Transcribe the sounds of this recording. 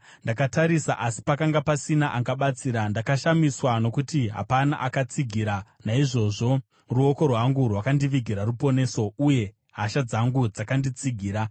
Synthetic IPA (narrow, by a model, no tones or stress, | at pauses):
ndakataɾisa̰ʔasi̥pakaŋɡapasinaʔaɡaɓat͡siːɾandakaʃamiswano̞kutiɦa̰pana̰ʔakat͡siɡʱiɾanaiʐo̞ʐo̞ | ruoko̞rwaŋɡurwakandiʋiɡʱiɾarupo̞ne̞ːso̞uje̞ | ɦaʃad͡zaŋɡud͡zakandit͡siɡʱiːɾa